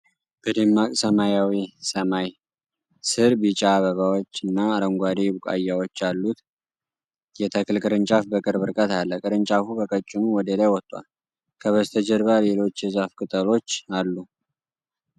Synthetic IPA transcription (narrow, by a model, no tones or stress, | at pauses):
b̥əd̪emːakʼsəmajawisəmaj | sɨɾbit͡ʃʼaːβəβawot͡ʃːɨnːaːɾəŋɡʷad̪ebukʼa̰jːawot͡ʃːalːut̪ | jɛt̪ʰəkɨlkʼɨɾɨnt͡ʃʼafbəkʼɨɾbɨɾkʼət̪alːəkʼɨɾɨnt͡ʃʼafubəkʼət͡ʃʼːɪnuwɔd̪əlajwɔt̪ʼːwa̰l | kʰəβəzt̪ʰəd͡ʒɛɾβale̞lo̞t͡ʃːjɛzafkʼɨt̪ʼəlo̞t͡ʃːalːu